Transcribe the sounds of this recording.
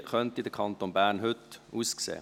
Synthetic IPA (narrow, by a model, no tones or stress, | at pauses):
χœntid̪əkʰɑnt̪onbæːʁnɦʏtuːsksḛː